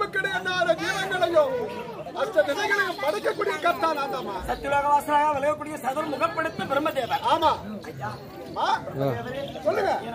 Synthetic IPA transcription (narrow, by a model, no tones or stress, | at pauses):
pɯkːɪɽɐjɐnːaːɾɐd̪eːʋɐŋɡɐɭɐjɯm | ɐsʈːɐd̪ɪsɐŋɡɐɭɐjɯmpɐɽɐkːɐkːuːɽɪjɐkɐːɾt̪ːaːlaːnd̪aːmaːsɐt̪ːɪʋaːɣɐʋaːsɪɾaːɣaːʋɛlɐɣɐkːuːɽɪjɐsɐðɐɾmʊɣɐpːɛɽɯt̪ːɯpɪɾɯmɐd̪eːʋɐaːmaː | maː | sɔlːɯŋɡɐ